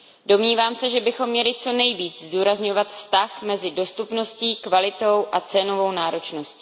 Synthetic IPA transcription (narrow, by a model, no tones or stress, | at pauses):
do̞mɲiːvaːmsɛʒɛbɪxo̞mːɲɛlɪt͡so̞nɛjviːt͡szduːɾazɲo̞vat̪fst̪axmɛzɪdo̞st̪upno̞sciːkvalɪt̪o̞wʔat͡sɛno̞vo̞wnaːɾo̞t͡ʃno̞sci̥